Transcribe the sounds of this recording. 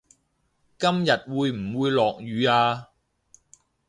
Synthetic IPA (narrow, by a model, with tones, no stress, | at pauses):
kɐ˥mjɐ˨t̚wuː˨˧jm̩˨˩wuː˨˧jlɔː˨k̚jyː˨˧aː˧